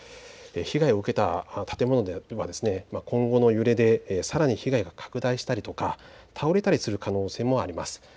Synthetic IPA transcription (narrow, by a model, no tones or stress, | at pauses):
eçiɡaio̞ɯ̟ke̞t̪at̪ʰḁt̪e̞mo̞no̞d̪eβad̪e̞sɨne̞makõ̞ŋɡo̞no̞jɯ̟ɾe̞d̪e̞saɾaɲ̟içiɡaiɡakʰḁkɯ̟d̪aiɕi̥t̪aɾʲit̪o̞kat̪ʰao̞ɾe̞t̪aɾʲisɨɾɯ̟kano̞ːse̞ːmo̞aɾʲimasɨ̥